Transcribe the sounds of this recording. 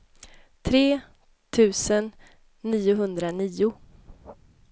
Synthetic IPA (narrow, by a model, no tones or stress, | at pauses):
t̪ʰɾeː | t̪ʰʉ̟ːsənː | iːʊɦɵnd̪ɾaniːʊ